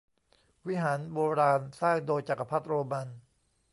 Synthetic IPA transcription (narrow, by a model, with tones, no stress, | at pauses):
wi˦˥ɦaː˩˦nboː˧ɾaː˧nsaː˥˩ŋdoː˧jt͡ɕa˨˩ka˧˩pʰa˦˥t̪̚ɾoː˧ma˧n